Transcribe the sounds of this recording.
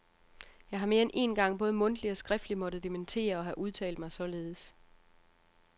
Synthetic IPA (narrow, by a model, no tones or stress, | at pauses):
jɑ̈ɪɦɑ̈me̝ːɐenʔe̝̰nɡ̥ɑ̈ŋ̰b̥ɔ̽ːð̞ˠmɔ̽nd̥liɒ̽sɡ̥ʁɛfd̥limɒ̽d̥ð̩ˠd̥ement͡sʰe̝̰ːɐɒ̽ɦæʔuð̞ˠt͡sʰɛ̰ːld̥mɑ̈ɪsɒ̽le̝ːð̞̩ˠəs